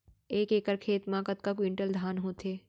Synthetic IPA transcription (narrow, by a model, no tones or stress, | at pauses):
eːkeːkəɾkʰeːt̪mãːkət̪̚kakwɪɳʈəld̪ʱaːnɦoːt̪ʰeː